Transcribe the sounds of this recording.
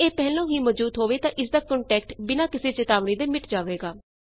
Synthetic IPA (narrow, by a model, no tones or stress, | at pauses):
eːpɛːlõːɦiːmɔd͡ʒuːt̪ɦoːʋeːt̪ãːʔɪsd̪aːkɔɳʈɛːkʈbɪnaːkɪseːt͡ʃɪt̪aːʋniːd̪eːmɪʈd͡ʒaːʋeːɡaː